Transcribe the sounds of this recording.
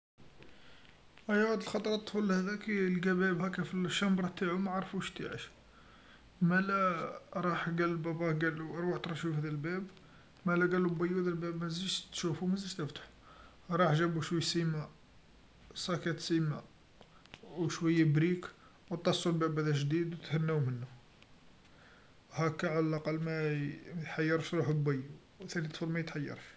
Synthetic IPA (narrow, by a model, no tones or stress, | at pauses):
ʔæjæwæd̪əlxɑt̪ˤɾˤɑt̪ˤːfulhæd̪ækilɡæbæbhækæfilʃːæmbɾˤɑt̪aʕumaʕɾˤfuʃt̪ḭʕə̰ʃ | mælæɾˤɑħɡælːbæbæɡæluɾˤwɑħt̪ɾˤɑʃufhæd̪ælbæb | mælæɡælubæjud̪ælbæbmæzæʒt̪ʃufumæzæʒt̪əft̪ḁħ | ɾˤɑħʒæbuʃwæjsimæ | sˤɑkæt̪simæ | wʃwæjːabɾik | wt̪ˤːɑsˤːulbæbhæd̪æʒd̪id̪wt̪hænːæwmənːu | hækːæʕalælʔɑqɑlːmæt̪ħajːɑɾˤfɾuħbæjːu | wt̪ænit̪fuɾmæjət̪ħajːɑ̰ɾˤf